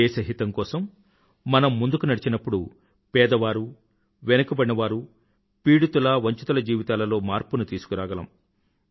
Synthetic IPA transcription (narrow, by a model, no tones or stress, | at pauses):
eːsɐɦit̪ɐmkɔːsɐmː | ɐnɐmːund̪ukunɐɽit͡ʃinɐpːuɽu | pɛːd̪ɐʋaːɾu | ʋɛnɐkɐbɐɽnɐʋaːɾu | piːɽut̪ulɐʋɐɲt͡ʃut̪ɐlɐd͡ʒiːʋit̪aːlɐlo̞ːmaːɾpunut̪iːsu̥kuɾaːɡɐlɐ̰m